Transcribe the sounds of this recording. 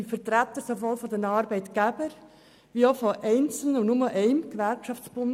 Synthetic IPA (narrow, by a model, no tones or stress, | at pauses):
fəɾt̪ɾæt̪ːəɾsovɔlfɔd̪ɛnɑːɾbɛɪt̪ɡ̥æbəɾ | ʋiofɔʔɛɪnt͡sl̩nənʊməʔɛɪmkʋæɾkʃɑft͡sb̥ʊn